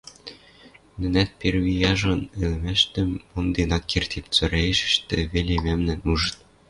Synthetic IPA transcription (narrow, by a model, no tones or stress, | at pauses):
nɘ̆næt̪̚perβijɑʒɤ̆nĕlɘ̆mæʃt̪ɘ̆mːond̪enɑkːert̪ʰip̚t͡søɾæjɘ̆ʃɘ̆ʃt̪ɘ̆βelʲemæmnɘ̆nuʒɤ̆t̪